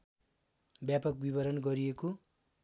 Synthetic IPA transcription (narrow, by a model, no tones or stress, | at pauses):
bjapʌk̚biβʌɾʌnɡʌɾijeko